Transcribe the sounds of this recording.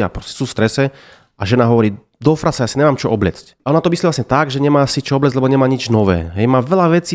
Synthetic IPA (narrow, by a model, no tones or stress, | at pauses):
a̰pɾɔscɛ̥suːfst̪ɾɛsɛ | ʔaʒɛnaɦɔʋɔɾiː | d̪ɔfɾasajaːsiɲɛmaːmt͡ʃɔʔɔblɛ̰t͡scaʔɔnat̪ɔmisliːlasɲɛt̪aɡʒɛɲɛmaːsit͡ʃɔɔblɛzʲlɛbɔɲɛmaːɲid͡ʒnɔʋɛ̰ːɦɛjmaːʋɛʎaʋɛt͡siː